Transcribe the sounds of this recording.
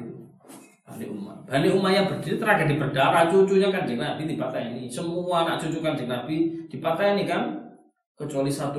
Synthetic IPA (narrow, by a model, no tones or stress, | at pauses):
b̥aniʔuma̰b̥aniumajabərd̪̥it̪it̪əɾaɡa̤di̤bərd̥aɾat͡ʃut͡ʃuɲakand͡ʒəŋnabid̪ipat̪ajanisəmuanaʔt͡ʃut͡ʃukand͡ʒəŋnab̥id̥i̤pat̪ajanikan | kət͡ʃualisat̪u